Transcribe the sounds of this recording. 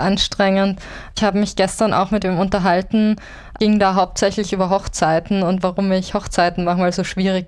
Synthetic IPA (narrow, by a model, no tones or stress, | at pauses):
ʔanʃtʁ̥ɛŋənt | ɪçhaːbəmɪçɡ̥ɛstɐnʔa̰ʊxmɪt̚d̥eːmʊntɐɦaltn̩ | ʔɪŋdaːɦaʊp̚tz̥ɛçlɪçʔyːbɐɦɔχt͡saɪtn̩ʊntv̥aʁʊmmiːɐɪçhɔχt͡saɪtn̩maχŋ̩vaːlzoːʃv̥iːʁ̞ɪk